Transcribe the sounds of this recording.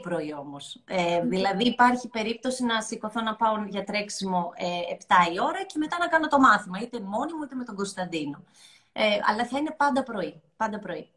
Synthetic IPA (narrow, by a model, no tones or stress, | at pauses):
pɾo̞io̞mo̞seðilɐðiːpɐɾçipe̞ɾip̚t̪o̞sinɐsiko̞θo̞nɐpɐonʝɐt̪ɾe̞ksimo̞eept̪ɐio̞ɾɐce̞me̞t̪ɐnɐkɐno̞t̪o̞mɐθimɐit̪emo̞nimuit̪e̞me̞t̪o̞ŋɡo̞st̪ɐnd̪ino̞ | eɐ̰lɐθɐine̞pɐnd̪ɐpɾo̞ipɐnd̪ɐpɾo̞i